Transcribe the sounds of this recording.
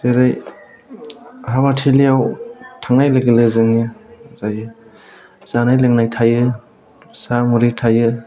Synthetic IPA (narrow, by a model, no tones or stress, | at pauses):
seɾaj | ɦabatʰiliawtʰaŋnajleɡelɯzɯŋɯzajɯ | z̥anajlɯŋnajtʰajɯ | samuɾitʰajɯ